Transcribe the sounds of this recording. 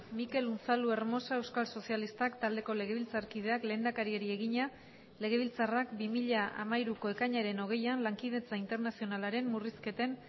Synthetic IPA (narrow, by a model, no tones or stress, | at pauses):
mike̞lunt͡salue̞ɾmo̞sae̞wskalso̞sialist̪akt̪ald̪e̞ko̞le̞ɣ̞e̞β̞ilt͡saɾkið̞e̞akle̞ːnd̪akaɾie̞ɾie̞ɣiɲa | le̞ɣe̞β̞ilt͡sarakbimiʎaʔa̰maiɾuko̞e̞kaɲaɾe̞no̞ɣ̞e̞janlaŋkið̞e̞t͡saint̪e̞ɾnasio̞nalaɾe̞mːuriske̞t̪e̞n